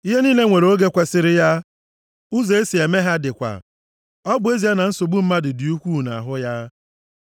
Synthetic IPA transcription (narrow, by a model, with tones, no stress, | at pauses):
i˦ɦe˦ni˦le˦ŋʷe˨ɾo˦ɡe˦kʷe˦sɪ˦ɾɪ˦ja˦ | u˦ze˨e˦si˨e˨me˦ɦa˦dɪ˨kʷa̰˨ | ɔ˦bʊ˦e˦zi˨a˦na˨n̩˦so˨ɡ͡bu˦m̩˦ma˦dɪ˨dɪ˨u˦kʷu˦˨na̰˨ɦʊ˦ja˦